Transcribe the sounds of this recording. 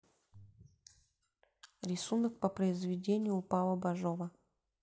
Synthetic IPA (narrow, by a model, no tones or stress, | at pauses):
ɾʲɪsunək̚pəpɾəɪzvʲɪdʲenʲɪjʊpalˠəbaʐovə